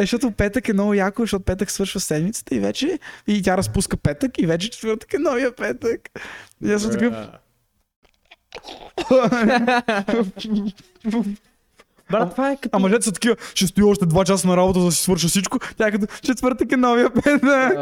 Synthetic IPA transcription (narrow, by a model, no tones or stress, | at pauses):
ɛʃt̪ɔt̪ʊpɛt̪əkɛmnɔɡʊjakʊzɛʃt̪ɔt̪ʊpɛt̪əksvɤɾʃvəsɛd̪mit̪sə̥t̪əivɛ̰t͡ʃɛit̪ʲjaɾɐspuskəpɛt̪əkivɛt͡ʃɛt͡ʃɛ̥t̪vəɾt̪ə̥kɛnɔviəpɛt̪əkjasmt̪ɐkɤf | bt̪vaɛkamɐʒɛt̪sət̪ːɐkivəʃɛst̪ʊiɔʃt̪ɛd̪vat͡ʃas̬ənɐɾabot̪əzd̪ɐsi̥svɤɾʃ̬əsit͡ʃkʊt̪ʲjaɛkɐt̪ot͡ʃɛt̪vəɾt̪əkɛnɔvijəpɛt̪ək